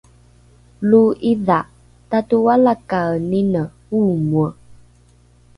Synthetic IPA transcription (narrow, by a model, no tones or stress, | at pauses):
luiða | tatuwalakaninə | umuə